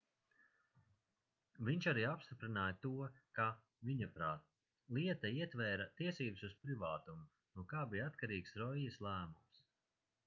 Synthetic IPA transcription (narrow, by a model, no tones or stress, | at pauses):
vʲiɲʲt͡ʃaɾiːapst̪ipɾinaːjt̪uɔka | viɲapɾaːt̪̚ | lˠiɛt̪ɐiɛt̪vɛːɾat̪iɛsiːbsuspɾivaːt̪umu | nuɔkaːbijat̪kaɾiːksɾɔijɐslˠæːmums